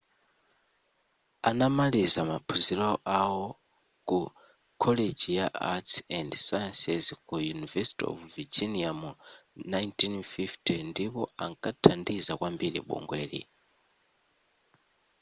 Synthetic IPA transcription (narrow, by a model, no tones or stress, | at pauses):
anamalizama̰pʰuzilɔʔawɔ | ku | kʰɔled͡ʒijaʔatsɛndsajɛnsɛzkujunivɛsi̥tiɔ̰vvid͡ʒiniamunajntinfiftʰindipɔaŋkʼatʰandizakwambiɾḭɓɔ̰ŋɡwɛːlḭ